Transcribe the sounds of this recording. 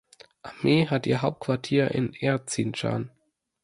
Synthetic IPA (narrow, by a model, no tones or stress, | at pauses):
ʔameːɦatʔiːɐɦaʊp̚t̚kʰv̥aɐtʰiːɐʔɪ̰nʔɛɐt͡siːnt͡ʃa̰ːn